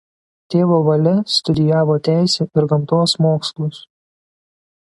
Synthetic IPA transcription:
t̪ʲeːʋoːʋɐlʲɪst̪ʊd̪ʲɪjæːʋoːt̪ʲæˑɪsʲɛːʔɪɾɡɐmt̪oːsmoːkslˠʊs

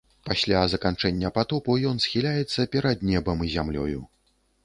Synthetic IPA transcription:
pasʲlʲazɐkant͡ʂɛnʲːɐpat̪ɔpujɔnsxʲilʲajɛt̪sːɐpʲɛɾad̪nʲɛbɐmizʲamlʲɔ̰ju

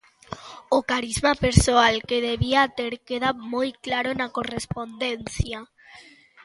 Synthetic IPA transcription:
okaɾizmapeɾsoalkeðeβiat̪eɾkeðamojklaɾonakorespond̪en̟θja

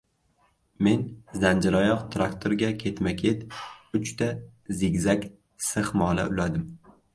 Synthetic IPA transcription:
me̞nzand͡ʒɪɾɒjɒqt̪ʰɾakt̪ʰoɾɡʲakʲʰe̞t̪makʲʰe̞t̪ʊt͡ʃt̪ʰazɪɡʲzakʲ | sɨχmɒːlˠa̰ʔʊlad̪ɪm

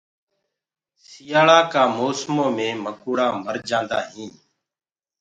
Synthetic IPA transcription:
sɪjaːɭaːkaːmoːsmõːmẽːməkuːɽaːməɾd͡ʒãːnd̪a̰ːɦĩː

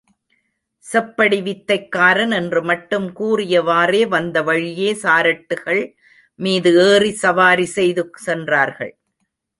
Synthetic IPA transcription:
sɛpːɐɽɪʋɪt̪ːɐɪkːaːɾɐnɛndrɯmɐʈːɯmkuːrɪjɐʋaːreːʋɐnd̪ɐʋɐɻɪjeːsaːɾɐʈːɯɣɐɭ | miːðɯeːrisɐʋaːɾisɛjðɯsɛndraːɾɣɐ̰ɭ

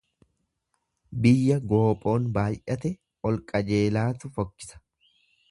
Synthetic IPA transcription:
bɪjːɐɡo̞ːpʼo̞ːnbaːjʔɐt̪ɛ | ɔlkʼɐd͡ʒe̞ːlaːt̪ʊfɔkːɪ̥sɐ̥

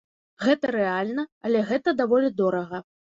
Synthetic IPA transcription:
ɣɛt̪ɐɾɛalʲnɐɐlʲɛɣɛt̪ɐd̪avɔlʲid̪ɔɾɐɣɐ

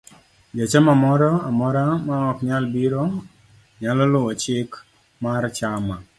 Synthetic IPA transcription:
d͡ʒat͡ʃamamɔɾɔamɔɾamaɔkɲalbiɾo | ɲalɔlʊat͡ʃɪk | mart͡ʃama

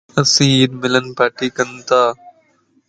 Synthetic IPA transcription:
əsĩːɪd̪mɪlənpaːʈiːkənt̪aː

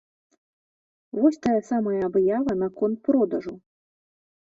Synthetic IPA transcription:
vɔsʲt̪ajɐsamɐjɐabjavɐnɐkɔnt̪̚pɾɔd̪ɐʐu

